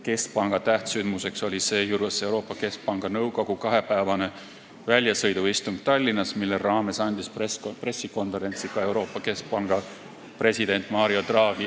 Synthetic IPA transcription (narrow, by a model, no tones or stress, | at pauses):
ke̞sk̚pɑŋɡ̥ɑt̪æht̪synmuse̞kso̞lʲise̞ːjuɾvese̞wɾo̞ːpːˑɑke̞sk̚pɑŋɡ̥ɑnɤwko̞ɡ̥ukɑɦe̞pæːvɑne̞ | vælʲjɑsɤ̞jd̪uist̪uŋɡ̥̚t̪ɑlʲːinːɑsmilːerɑːme̞sɑnʲd̪̥ispespre̞sːiko̞nveɾe̞nʲt̪sikɑe̞wɾo̞ːpːˑɑkesk̚pɑŋɡ̥ɑ | pre̞sʲid̪̥e̞nʲt̪ˑmɑːɾio̞d̪̥rɑːɡi